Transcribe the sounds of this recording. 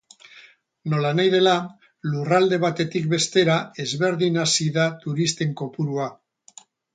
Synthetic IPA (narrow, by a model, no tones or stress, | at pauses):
no̞lanajðe̞la | lurald̪e̞β̞at̪e̞t̪ik̚be̞st̪e̞ɾae̞zβe̞ɾðinasiðat̪uɾist̪e̞ŋko̞puɾua